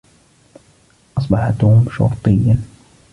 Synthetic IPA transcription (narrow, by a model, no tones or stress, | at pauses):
ʔɑsˤbɑħat̪hʊmʃʊ̰ɾˤt̪ˤɨjːan